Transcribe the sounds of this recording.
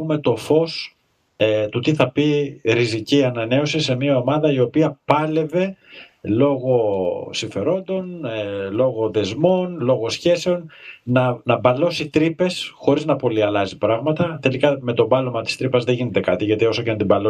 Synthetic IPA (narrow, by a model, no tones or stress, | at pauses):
ume̞t̪o̞fo̞s | t̪ut̪iθɐpiɾiziciɐnɐne̞o̞sise̞miɐo̞mɐðɐio̞piɐpɐle̞ve̞lo̞ɣo̞siɱfe̞ɾo̞nd̪o̞nlo̞ɣo̞ðe̞zmo̞nlo̞ɣo̞sçe̞se̞o̞nnɐnɐbɐlo̞sit̪ɾipe̞sxo̞ɾiznɐpo̞liɐlɐzipɾɐɣmɐt̪ɐθe̞likɐme̞t̪o̞bɐlo̞mɐt̪i̥st̪ɾipɐzðeʝine̞t̪e̞kɐt̪iʝɐt̪io̞socenɐt̪ibɐlo